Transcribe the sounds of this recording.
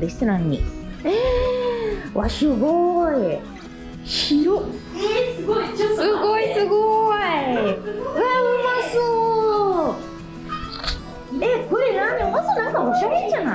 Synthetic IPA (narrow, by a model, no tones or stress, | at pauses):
d̪eɕi̥senãɲ̟ːḭe | βasɨɡoi | ɕiɾo | sɨɡoisɨɡoi | ɯaɯmaso | ekoɾenãniosonãŋkaoɕaɾẽɲd͡ʑana